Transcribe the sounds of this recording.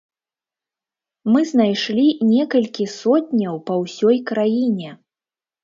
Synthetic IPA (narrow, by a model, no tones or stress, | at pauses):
mɨznajʂlʲinʲɛkɐlʲkʲisɔt̪ʲnʲɐwpɐwsʲɔjkɾajinʲɛ